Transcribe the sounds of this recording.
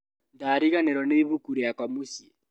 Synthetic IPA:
ndaːɾiɣaneɾɔneiβukuɾijakamusje

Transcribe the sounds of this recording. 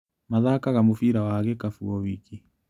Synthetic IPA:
maðakaɣamofiɾawaɣɛkafuɔwiki

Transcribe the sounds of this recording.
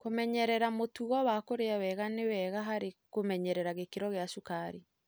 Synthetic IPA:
komɛɲɛɾɛɾamotuɣɔwakoɾeawɛɣanewɛɣaɦaɾekomɛɲɛɾɛɾaɣekeɾɔɣeaʃukaɾe

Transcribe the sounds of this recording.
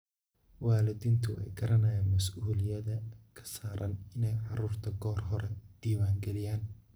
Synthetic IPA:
waːlɪðiːnt̪ʰʊʔɛ̰jɡɐɾɐnɛjaːnmɐsuːlɪjɐðɐkʰɐ̥saːɾʔɐ̰nɪnɛjʕɑɾuːrt̪ʰɐɡɔːrɦɔɾɛd̪̥iːwaːŋɡɛlɪjaːn

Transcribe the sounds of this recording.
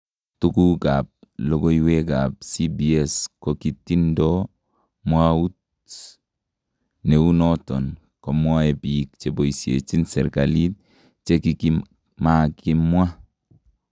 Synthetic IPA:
tukukap̚loɡoiwekap̚sibieskokitindo | mwaut | neunɔtɔn | komwaebik̚t͡ʃeboisiḛt͡ʃinsɛ̰ɾkalit̚ | t͡ʃekiki | makimwa

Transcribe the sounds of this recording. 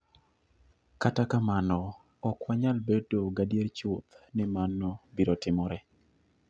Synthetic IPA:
katakamanɔ | ɔkwaɲalbedoɡadjeɾt͡ʃʊt̪nɪmanɔbiɾotɪmɔɾɛ

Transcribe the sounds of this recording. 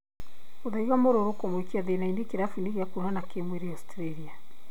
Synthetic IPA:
oðaiɣamoɾoɾokomwekiaðenainekeɾafuneɣiakunanakemweɾeastɾeɾia

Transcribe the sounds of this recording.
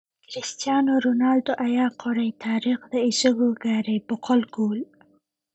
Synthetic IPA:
kɾɪst̪jɑnoɾonɑːlt̪oʔajɑqʰoɾajt̪ʰɑːɾɪxd̪əɪsʊɡoɡaɾajpʊqʊlɡol

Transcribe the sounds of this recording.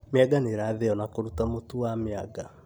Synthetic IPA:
meaɡaneɾaðɛɔnakoɾutamotuwameaɡa

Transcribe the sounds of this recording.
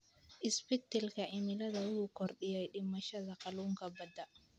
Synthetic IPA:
ʔɪsbɪt̪ɛlkʰɐʔɪmɪlɐðɐwʊhʊkʰɔrɗɪjɛjɗɪmɐʃɐðɐqɑluːŋkʰɐbɐd̪ɐ

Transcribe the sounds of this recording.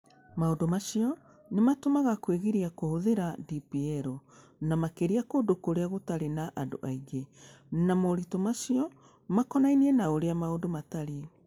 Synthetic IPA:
maondomaʃiɔ | nematomaɣakweɣeɾiakohoðeɾadipiɛɾɔ | namakeɾiakodokoɾeaɣotaɾenaʔando̰ʔaiɡe | namoɾitɔmaʃiɔ | makɔnainiɛnaoɾeamaondomataɾe

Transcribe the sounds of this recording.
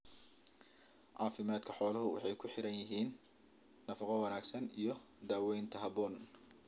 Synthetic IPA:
ʕɑːfɪmaːd̪kʰɐħɔːlɐɦʊwɑ̰ħɑjkʰʊħɪɾɐnjɪɦiːnː | ɐfɑqɔwɑnaːɡsɐnijɞ | d̪aːwɛjnt̪ʰɐɦɐbɔːn

